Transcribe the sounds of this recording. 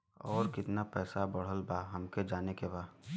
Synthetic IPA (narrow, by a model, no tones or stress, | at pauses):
ɔːɾkɪt̪napɛːsabəɽ̤əlbaɦɐmked͡ʒaːnekebaː